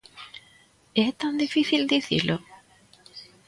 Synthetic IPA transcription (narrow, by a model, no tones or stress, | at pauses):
et̪and̪ifiθild̪iθḭɾlʔo